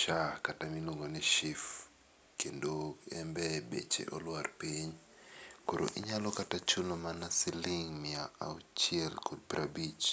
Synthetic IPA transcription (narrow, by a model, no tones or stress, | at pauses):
ʃakataminwoŋɡonɛʃif | kendoɛmbɛbḛt͡ʃḛʔɔlwarpiɲ | koɾo̰ʔḭɲalɔkatat͡ʃunomanasiliŋmɪaaut͡ʃiɛlkʰod̚pɾabit͡ʃ